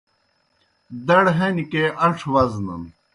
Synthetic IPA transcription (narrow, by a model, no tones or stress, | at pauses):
d̪ɐɽɦɐnikeʔɐʈ͡ʂʰwɐznɐ̰n